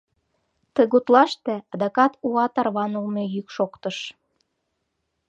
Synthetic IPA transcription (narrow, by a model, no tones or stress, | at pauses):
t̪əɣut̪lɑʃt̪ĕɑd̪ɑkɑt̪uɑt̪ɑrβɑnulmejykʃokt̪ɤʃ